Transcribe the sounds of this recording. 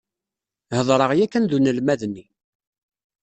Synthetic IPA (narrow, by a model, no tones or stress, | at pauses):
həðˤɾˤəʁjækːənðunəlmæðnːi